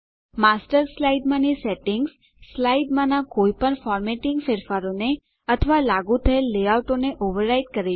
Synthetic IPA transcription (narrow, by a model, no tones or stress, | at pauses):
masʈəɾslaiɖmãniseʈɪŋɡs | slaiɖmãnãkoipəɳfɔɾmeʈɪŋɡfeɾfaɾone | ət̪ʰəʋalaɡut̪ʰəelːeawʈoneʔoʋəɾːaiɖ̚kəɾe